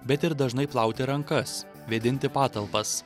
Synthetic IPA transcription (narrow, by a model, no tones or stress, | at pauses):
bʲɛt̪ɪɾd̪ɐʒnɐɪplˠɑˑʊt̪ʲɪɾɐŋkɐs | ʋʲeːd̪ʲɪnʲt̪ʲɪpɑːt̪ɐlˠpɐs